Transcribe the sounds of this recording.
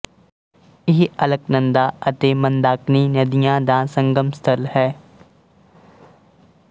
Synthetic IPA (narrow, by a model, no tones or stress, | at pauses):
ɪɦiɐləknə̃nd̪aət̪eːmə̃nd̪aːkniːnəd̪ijãːd̪ãːsə̃ŋɡəmst̪ʰəlhɛː